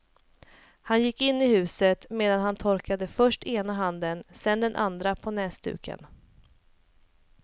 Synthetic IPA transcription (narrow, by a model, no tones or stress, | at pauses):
hanjɪkːɪnːɪhʉ̟ːsət̪meːd̪anɦant̪ʰɔɾkad̪əfœʂʈeːnaɦand̪ənsɛnd̪ɛnʔa̰nd̪ɾapʰɔnɛːst̪ʉ̰ːkʰə̰n